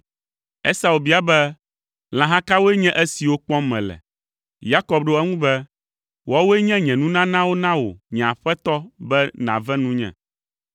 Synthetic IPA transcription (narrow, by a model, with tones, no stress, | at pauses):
ɛ˦sa˨u˨bi˦a˨bɛ˦ | l̃ã˨ɦã˦ka˦wo˦e˦ɲɛ̃˦ʔɛ˦si˨wo˦k͡pɔ̃˦mɛ̃˨lɛ̰˨ | ja˦kɔ˨b̚ɖo˦ɛ˦ŋũ˦bɛ˦ | wɔ˦wo˦e˦ɲɛ̃˦ɲɛ̃˨nũ˦nã˦nã˦wo˦nã˦wo̰˨ɲɛ̃˨a˨ɸɛ˦t̪ɔ˦bɛ˦nã̰˨vɛ̃˦nũ˦ɲɛ̰̃˨